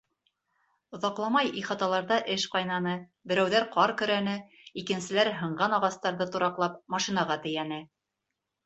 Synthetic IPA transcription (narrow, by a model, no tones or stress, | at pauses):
ŏðɑqlˠɑmɑjiχɑt̪ɑlˠɑɾðɑʔɘʃqɑjnɑnɤ | bɘ̆ɾæwðæɾqɑɾkɵ̆ɾænɘ | ikɘ̆nsɘ̆læɾɦɤ̆ɴɢɑnɑʁɑst̪ɑɾðɤt̪ŭɾɑqlˠɑp̚mɑʃinɑʁɑt̪ɘ̆jænɘ